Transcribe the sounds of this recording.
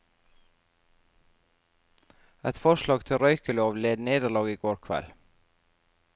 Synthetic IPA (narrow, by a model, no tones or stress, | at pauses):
ɛt̪fɔʃlɑːɡt̪ʰɪɾœʏkəloːʋleːd̪neːd̪əɭɑːɡiːɡoːɾkʰʋɛ̰l